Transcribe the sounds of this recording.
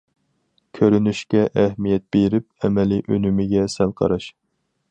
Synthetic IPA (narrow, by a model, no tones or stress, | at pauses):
kʲʰøɾynyʃkʲɛʔɛhmijɛt̪̚b̥eɾɪp̚ɛmɛliʔølymɪɡʲɛsælqʰɑ̰ɾɑʃ